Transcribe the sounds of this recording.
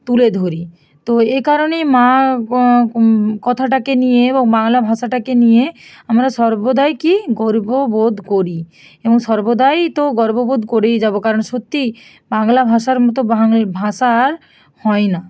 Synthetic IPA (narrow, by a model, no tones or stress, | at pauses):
t̪uled̪ʱoɾi | t̪oekaɾonema | kɔt̪ʰaʈakenijeeboŋbaŋlabʱaʃaʈakenije | amɾaʃɔɾbod̪ajkiɡɔɾbobod̪ʱkoɾi | ebɔŋʃɔɾbod̪ajt̪oɡɔɾbobod̪ʱkoɾejd͡ʒabokaɾɔnʃot̪ːi | baŋlabʱaʃaɾmɔt̪̬obabʱaʃaɾ | hɔjna